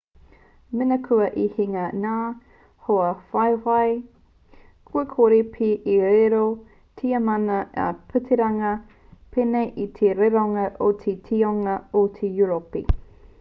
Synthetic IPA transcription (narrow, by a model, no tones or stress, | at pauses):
menɐkʰuɐʔihiŋɐnaː | hoɐfɐjvɐj | kʰuɐkʰoɾipʰiʔiɾeɾo | tʰiɐmɐnɐ̰pʰʉtʰeɾɐŋɐ | pʰeneʔit̪ʰeɾeɾoŋɐʔot̪ʰetʰioŋɐot̪ʰejuɾopḭ